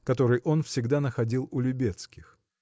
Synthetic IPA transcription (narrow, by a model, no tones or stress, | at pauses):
kɐt̪o̞ɾɨjʔo̞nfsʲɪɡd̪anəxɐdʲilˠʊlʲʊbʲe̞t̪skʲɪx